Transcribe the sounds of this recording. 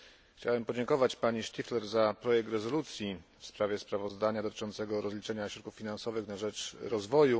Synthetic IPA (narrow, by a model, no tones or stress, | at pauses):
xt͡ɕawɛmpɔd͡ʑɛŋkɔvat͡ɕpaɲiʂt̪ʲiflɛɾzapɾɔjɛk̚t̪ɾɛzɔlut̪sʲjifspɾavʲjɛspɾavɔzd̪aɲad̪ɔt̪ɘ̥t͡ʂɔnt̪sɛɡɔɾɔzlʲit͡ʂɛɲaɕɾɔt̪̚kufːʲinansɔvɘxnaʐɛt͡ʂɾɔzvɔju